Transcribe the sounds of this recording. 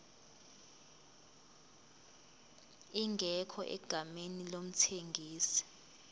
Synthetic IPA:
iŋɡʱɛkʰɔʔɛ̰ɡ̥ʱamenilom̩tʰeŋɡʱiːsi̥

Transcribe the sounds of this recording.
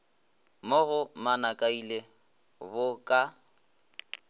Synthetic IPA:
moɣʊmanakʼaile | bʊkʼa

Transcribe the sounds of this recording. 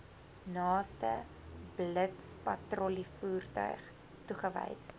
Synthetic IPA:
nɑːstə | blətspɐtrɔlifuːrtœ̰ɥχ | tuχəvɛ̰jt

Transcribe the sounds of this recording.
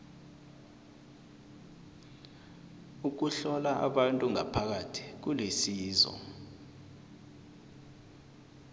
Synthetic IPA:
uk̬uɬɔlaa̰ɓantʼuŋa̰pʰak̬atʰi̥k̬ulesiːzɔ̰

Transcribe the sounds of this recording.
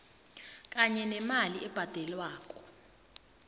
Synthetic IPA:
kʼaɲɛnɛmaliʔɛb̥ʱad̥ʱɛlwaːk̬ʼɔ̥

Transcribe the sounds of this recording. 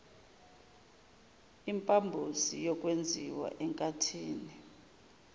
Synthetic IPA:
impʼambʱusijɔkʼwend͡zʱiwa̰ʔɛŋkʼatʰiːni

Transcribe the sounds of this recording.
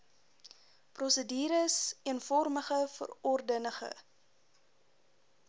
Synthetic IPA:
prɔsədiːɾəsiənfɔrməχəfə̰rɔrdənəχə̰

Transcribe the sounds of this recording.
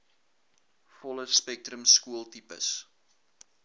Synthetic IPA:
fɔləspɛk̚tɾəmskuəlˠtipə̰s

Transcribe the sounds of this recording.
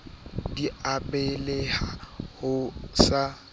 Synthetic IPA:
diapʼɛlehahʊsa

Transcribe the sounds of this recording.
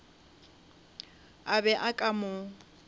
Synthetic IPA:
abɛʔakʼamʊ

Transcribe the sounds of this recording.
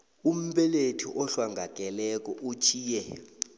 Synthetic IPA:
um̩ɓɛletʰiʔɔɬwaŋɡʱak̬ʼɛlɛk̬ʼɔʔut͡ʃʰiːjɛ

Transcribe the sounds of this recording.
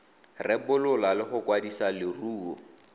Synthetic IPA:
rɛbʊlʊlalɪχʊkwadisalɪruːɔ

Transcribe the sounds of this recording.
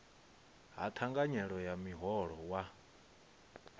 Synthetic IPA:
ɦa̰t̪ʰaŋɡaɲɛɺɔjamiɦɔɺɔwa

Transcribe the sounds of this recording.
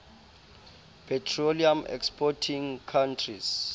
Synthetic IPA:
pʰɛtʰroliamɛ̰kspɔtʰiŋkʰantʰris

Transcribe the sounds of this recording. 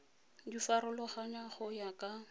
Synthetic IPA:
difaɾʊlɔχaɲaχʊjakʼa

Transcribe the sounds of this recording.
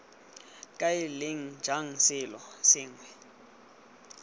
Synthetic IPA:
kʼaɪleŋ̩d͡ʒʱaŋ̩sɪlɔsɪːŋwɛ

